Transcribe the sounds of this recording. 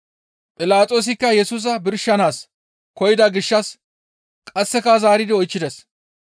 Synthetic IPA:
pʼɪlaːt̪ʼo̞ːs̬ɪkːɐjɛsuːs̬ɐbɪɾʃːɐnaːs | kɔjɪd̪ɐɡɪʃːɐs | kʼɐsːɛkazaːɾɪd̪ɪɔjt͡ʃːɪd̪ɛs

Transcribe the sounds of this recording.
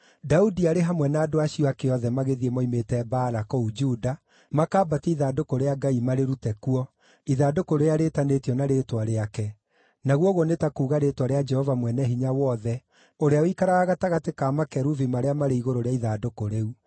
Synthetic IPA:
daudiaɾeɦamwɛnaːdoaɕiɔakeɔðɛmaɣeðiemɔimetɛbaːɾakɔud͡ʒuda | makaːbatɛiðaːdokoɾeaɡaimaɾeɾutɛkuɔ | iðaːdokoɾeeaɾetanetiɔnaɾetwaɾeakɛ | naɣwɔɣonetakuːɣaɾetwaɾead͡ʒɛhɔvamwɛnɛɦiɲawɔðɛ | oɾeawikaɾaaɣataɣatekamakɛɾuvimaɾeamaɾeiɣoɾoɾeaiðadokoɾeu

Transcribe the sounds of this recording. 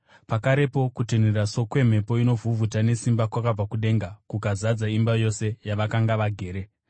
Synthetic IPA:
pakaɾe̞po̞kuteneraso̞kwe̞m̤e̞po̞ino̞vʱuvʱutane̞simbakwakab͡vakuɗe̞ŋɡakukazad͡zaimbajo̞se̞jaʋakaŋɡaʋaɡʱe̞ːɾe̞

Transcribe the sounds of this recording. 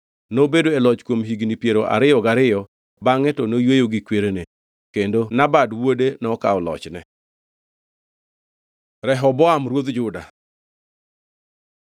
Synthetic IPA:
nobedoelɔt͡ʃkwomɦiɡnipjeɾoʔa̰ɾɪjɔɡaɾɪjɔ | baŋɛtɔnojwejoɡikweɾene | kendonabadwodenɔkaɔlɔ̰t͡ʃnɛ̰ | ɾɛɦɔbɔamɾwod̪d͡ʒʊda̰

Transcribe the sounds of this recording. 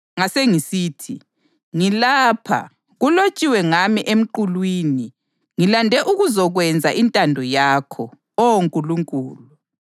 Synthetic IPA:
ŋaseŋisiːtʰi | ŋilaːpʰa̰ | ɣulot͡ʃʼiwɛŋamiʔem̩ǃulwiːni | ŋilandʱɛʔuɣuzɔɣwɛnd͡zʱaʔintʼandʱɔjakʰɔ | ɔwoŋkʼuluŋkʼuːlu

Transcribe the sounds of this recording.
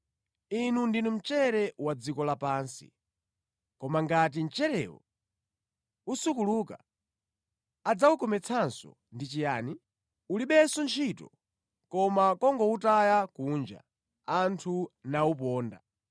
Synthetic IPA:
inundinum̩t͡ʃɛɾɛwad͡zikɔlapaːnsḭ | kɔmaŋɡat̬in̩t͡ʃɛɾɛ̰wɔ̰ | usukuluːka | ad͡zaukɔmɛt͡sʰansɔ̰ | ndit͡ʃijaːni | uliɓɛsɔnt͡ʃʰitɔ̰ | kɔmakɔŋɡɔutajakuːnd͡ʒa̰ | antʰunaupɔːnda̰

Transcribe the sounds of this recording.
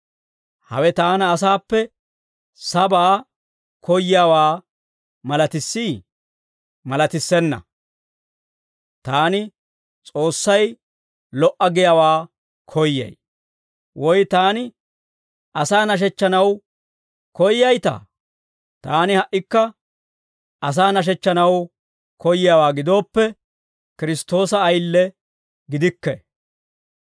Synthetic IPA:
hɐ̰wɛt̪aːnɐːs̬aːpːɛ | sɐbaː | kɔjɪjawaː | mɐlɐt̪ɪsːiː | mɐlɐt̪ɪsːɛnːɐ̰ | t̪aːnɪ | t͡sʼo̞ːsːɐj | lɔʔɐɡɪjawaː | kʰɔjːɐ̰j | wʔɔjt̪aːnɪ | ʔɐsaːnɐʃ̬ɛt͡ʃːɐnɐw | kɔjːɐjt̪a̰ː | t̪aːnɪhɐʔːɪkːɐ | ʔɐs̬aːnɐʃ̬ɛt͡ʃːɐnɐw | kɔjɪjawaːɡɪd̪o̞ːpːɛ | kɪɾɪst̪o̞ːsɐːjlːɛ | ɡɪd̪ɪkːɛ

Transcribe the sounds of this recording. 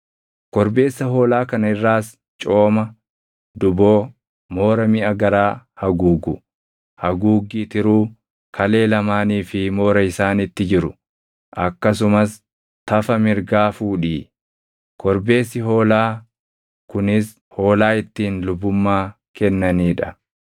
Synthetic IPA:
kɔɾbe̞ːsːɐɦo̞ːlaːkɐnɐɪrːaːs | t͡ʃʼo̞ːmɐ | d̪ʊbo̞ː | mo̞ːɾɐmɪʔɐɡɐɾaːhɐɡuːɡʊ | hɐɡuːɡiːt̪ɪɾuː | kʰɐle̞ːlɐmaːniːfɪmo̞ːɾɐɪsaːnɪt̪ːɪd͡ʒɪɾʊ | ʔɐkːɐsʊmɐs | t̪ɐfɐmɪɾɡaːfuːᶑiː | kɔɾbe̞ːsːɪɦo̞ːlaː | kʊnɪs | ho̞ːlaːɪt̪ːiːnlʊbːʊmːaː | kɛnːɐniːᶑɐ

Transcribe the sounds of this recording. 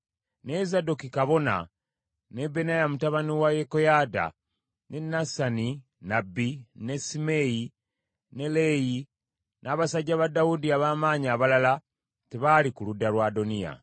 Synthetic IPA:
nezado̞kikaβo̞na̰ | ne̞be̞najamutaβaniwajekojada̰ | nʔe̞nasani | nabːine̞simeji | ne̞leji | nʔaːβasaɟːaβadawudiaβaːmaːɲaːβalala | teβalikuludalwaːdo̞nija̰

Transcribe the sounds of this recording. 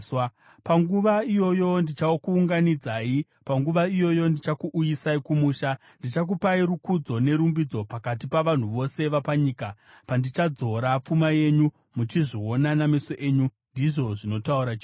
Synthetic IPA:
paŋɡuʋaijo̞jo̞ndit͡ʃaokuːŋɡanid͡zaːi | paŋɡuʋaijo̞jo̞ndit͡ʃakuʔːjisaikumuːʃa | ndit͡ʃak̬upaiɾukud͡zo̞ne̞ɾumbid͡zo̞pakat̬ipaʋan̤uʋo̞se̞ʋapaɲiːka | pandit͡ʃad͡zo̞ɾap͡fumaje̞ɲu | mut͡ʃiʐionanamisoʔeːɲu | ndiʐo̞ʐino̞tauɾat͡ʃi

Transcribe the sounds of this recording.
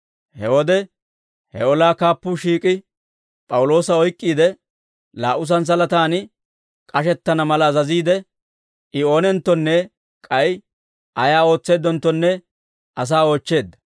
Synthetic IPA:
hɛwɔd̪ɛ | hɛɔlaːkaːpːuːʃiːkʼɪ | pʼɐwʊlo̞ːsɐɔjkʼːiːd̪ɛ | laːʔʊs̬ɐns̬ɐlɐt̪aːnɪ | kʼɐʃɛt̪ːɐnɐmɐlɐzɐziːd̪ɛ | ʔɪo̞ːnɛnt̪ːɔnːɛ | kʼɐj | ʔɐjaːo̞ːt͡sːe̞ːd̪ːɔnt̪ːɔnːɛ | ʔɐs̬aːoːt͡ʃːe̞ːd̪ːɐ̥

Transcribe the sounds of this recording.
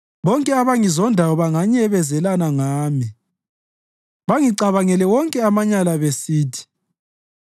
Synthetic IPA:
βɔŋkʼɛaβaŋizɔndʱawɔβaŋaɲɛβɛzɛlanaŋaːmi | βaŋiǀaβaŋɛlɛwɔŋkʼɛamaɲalaβesiːtʰi̥

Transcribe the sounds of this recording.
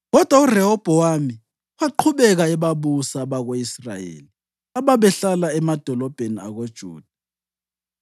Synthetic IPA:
ɣɔd̥ʱwaurɛɦɔb̥ʱɔwami | waǃʰuɓɛɣ̬aɛɓaɓusaɓaɣoisra̰jḛːli | aɓaɓɛɬalaɛmad̥ʱɔlɔb̥ʱenia̰ɣod̥ʒ̥ʱṵːd̥ʱa

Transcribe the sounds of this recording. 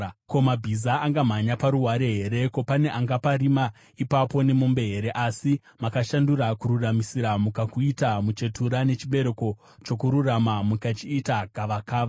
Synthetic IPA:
ko̞mabʱizaːŋɡam̤aɲapaɾuɦwaɾe̞ɦe̞ɾe̞ko̞pane̞ʔaŋɡapaɾima | ipapo̞ne̞mumbe̞ɦeɾe̞ʔasi | makaʃanduɾakururamisiɾamukakuitamut͡ʃe̞tʰuɾane̞t͡ʃiɓe̞ɾe̞ko̞ | t͡ʃo̞kuɾuramamukat͡ʃiːtaɡʱaʋakaːʋa

